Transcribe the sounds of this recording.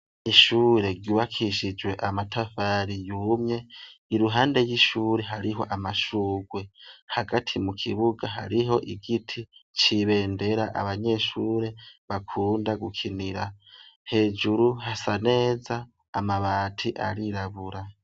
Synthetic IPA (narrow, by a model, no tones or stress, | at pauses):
iʃuːɾe̞ɡɟjuβakʰiʃid͡ʒwe̞ʔamatʰafaɾijumɲe̞iɾuɦaːnde̞jiʃuːɾe̞ɦaɾiɦo̞̰ʔamaʃuːɡwe̞haɡatʰimukʰiβuɡaɦa̰ɾiɦo̞ʔiɡitʰit͡ʃiβe̞ːnde̞ɾaʔa̰βaɲe̞ʃuːɾe̞βakʰuːndaɡukʰiniɾahe̞ːd͡ʒuɾuɦasane̞ːzaː | maβaːtʰiʔa̰ɾiɾaβuɾa